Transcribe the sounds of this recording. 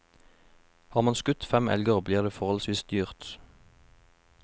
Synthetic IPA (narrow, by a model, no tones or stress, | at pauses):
hɑːʁmɑːnskʉt̪fɛmɛ̰lɡəʁbliːʁd̪eːfɔʁɔlsʋiːsd̪yːʁt̪